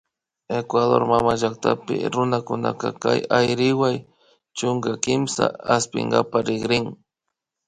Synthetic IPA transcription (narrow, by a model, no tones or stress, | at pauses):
ekwaðoɾmamaʒakt̪apɪ̰ɾʊnakʊnakakajajɾɪwaj | t͡ʃʊŋɡakɪmsa̰aspɪ̰ŋɡapaɾɪɡɾɪŋ